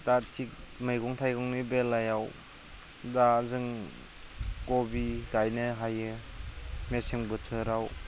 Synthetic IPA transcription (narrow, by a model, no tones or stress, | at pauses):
tatʰik̚mɯjɡɔŋtʰajɡɔŋnibelːajaw | dazɯŋ | kɔbiɡajnɯɦajɯ | meseŋbɯtʰɯɾaw